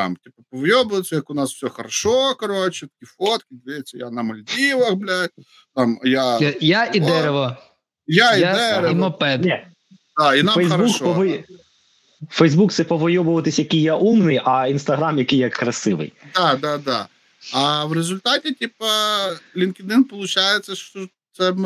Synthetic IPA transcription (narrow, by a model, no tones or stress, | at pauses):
t̪ɑ̰mtʲipɐpɔʋɔjɔbʊʋɪt͡sʲːɐjɐkʊnɑswfsʲɔxɐɾɐʃɔkɐɾɔt͡ʃɛt̪ɐ̥kʲifɔt̪kʲɪd̪ʲʋʲɪjɛt͡sʲːɐjanɐmɐlʲd̪ʲiʋɐxblʲa | t̪amjajaʔid̪ɛɾeʋɔ | jaiad̪ɛɾeinɔpɛd̪ɛ | d̪ainafɛjzɐbɐuʃkpɔʋɔj | fɛjzbukt̪sɛpɔʋɔjɔʋʊʋɐt̪ɪsʲjɐkɪjjːaʔumnɪjɐinst̪ɐɦɾamjɐkɪjːɐkːɾɐsɪʋɪ̰jd̪ɑd̪ɑd̪ɑ̰ | ɐʋɾezʊlʲt̪ɑtʲɪtʲipɐlʲinkʲɪd̪ɪnpɔlˠʊt͡ʃajet͡sʲːɐʃt͡ʃɔ | t̪sɛ